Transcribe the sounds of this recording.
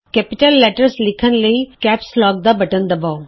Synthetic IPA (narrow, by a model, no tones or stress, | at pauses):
kɛːpɪʈəlːɛːʈəɾslɪkʰənləikɛːpslɔːɡ̚d̪abɐʈənd̪ɐbao